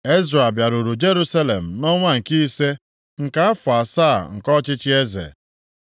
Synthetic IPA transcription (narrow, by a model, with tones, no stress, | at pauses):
e˦zɾa˨bja˨ɾu˨ɾu˨d͡ʒe˦ɾu˦sa˦le˨m̩˨nɔ˦ŋʷa˦ŋ̩˨ki˦se˦ | ŋ̩˨ka˦a˦fʊ˨a˨sa˦˨ŋ̩˨kɔ˦t͡ʃɪ˦t͡ʃɪ˦e˦zḛ˨